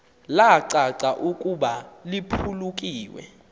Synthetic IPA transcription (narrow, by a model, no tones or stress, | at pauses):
laǀaǀaʔukʼuɓalipʰuluk̬ʼiːwɛ̰